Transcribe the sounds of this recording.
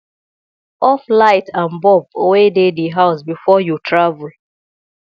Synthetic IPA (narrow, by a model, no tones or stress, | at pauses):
ɔflaɪtʰãnbɔbowedediɦaʊsbifɔjutɹavul